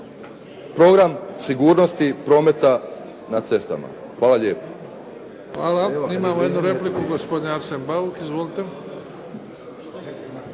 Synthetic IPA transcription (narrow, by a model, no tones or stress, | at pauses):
pɾo̞ɡɾamsiɡuːɾno̞st̪ipɾo̞ːme̞t̪a | nat̪se̞st̪a̰ma̰ | xʋaːlˠaʎeːpo̥ | xʋaːlaimamojed̪nuɾeplikuɡospod̪ɲʲeaɾsenbaukizʋolit̪e